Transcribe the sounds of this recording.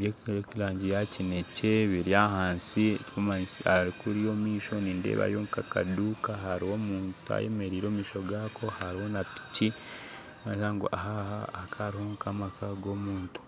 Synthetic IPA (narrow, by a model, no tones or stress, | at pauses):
βjekilaːɲɟijacine̞ce̞βiɾiaɦaːnsiecikomansihaɾikuɾijo̞miːʃo̞ninde̞̰ːβa̰joŋkaka̰duːkaɦaɾiho̞muːntua̰je̞̰me̞ɾiːɾoːmiːʃo̞ɡakʰo̞haɾiho̞napi̥ci | maɲsaŋɡo̰ʔaɦahahkʰaɾiho̞ŋkamakʰaɡo̞muːntu̥